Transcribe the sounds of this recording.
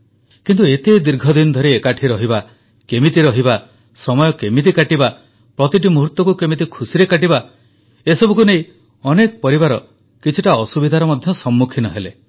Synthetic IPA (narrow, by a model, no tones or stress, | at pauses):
kint̪uet̪ed̪iɾɡʱɔd̪inɔd̪ʱɔɾiekaʈʰiɾɔɦiba | kemit̪iɾɔɦiba | sɔmɔjɔkemit̪̬ikaʈiba | pɾɔt̪iʈ̬imuɦuɾt̪wɔkukemit̪̬ikʰusiɾekaʈiba | esɔbukuneĩ | ɔnekɔpɔɾibaɾɔ | kit͡ʃʰuʈaɔsubid̪ʱaɾɔmɔd̪ʱjɔsɔmːukʰinɔɦele